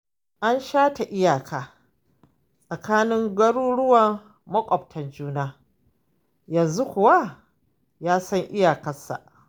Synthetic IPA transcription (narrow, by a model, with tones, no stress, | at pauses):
ʔa˦nʃaː˦ta˨ʔɪ˦jaː˨kʰaː˨ | sʼɐ˨kaː˦nɪ˦ŋɡɐ˦ɽuː˦ɽʊ˦wɐ˨ŋ | mɐ˦kʷʼɔ˨p̚tʰɐ˨nd͡ʒuː˦naː˦ | jɐ˨nzu˦kʷʊ˨wa˦ | jaː˦sɐ˦ŋʔɪ˦jaː˨kɐ˦sa̰˨ʔ